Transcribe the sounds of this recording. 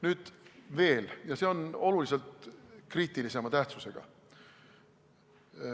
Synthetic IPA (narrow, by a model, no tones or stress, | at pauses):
nyːd̪̥ve̞ːljɑse̞o̞no̞lulise̞lt̪kriːt̪ˑilise̞mɑt̪æht̪suse̞ɡ̥ɑ̰